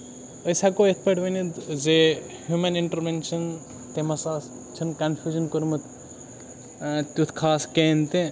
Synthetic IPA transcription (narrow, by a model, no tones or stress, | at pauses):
əjsakoet̪ʰpɐʈʋɐnit̪zehjumɐniɳʈɐɾʋenʃʰɐn | t̪emɐsaːs | t͡ʃʰinkɐnfʰʲjuːd͡ʒɐnkoɾmut̪ | t̪ut̪ʰkʰaːskeːnt̪ẽ